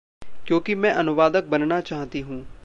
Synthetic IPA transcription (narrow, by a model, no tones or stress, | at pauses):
kjõːkimɛ̃ʔɐnʊʋaːd̪ək̚bɐnnat͡ʃaːɦt̪iɦũː